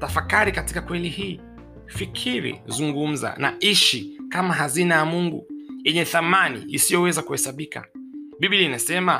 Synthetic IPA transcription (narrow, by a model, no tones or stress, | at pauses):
tafakaɾikatikakwɛlihiː | fikʰiɾḭzuŋɡum̩za̰na̰iʃikamaɦazinajamuŋɡṵjɛɲɛθamanḭːsijɔwɛzakuhɛsaɓika̰ɓiɓilinasɛma